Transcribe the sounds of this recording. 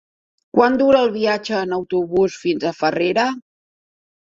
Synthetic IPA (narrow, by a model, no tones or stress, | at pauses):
kwand̪uɾəːlˠβiad͡ʒəːnəwt̪uβusfinzəfəreɾə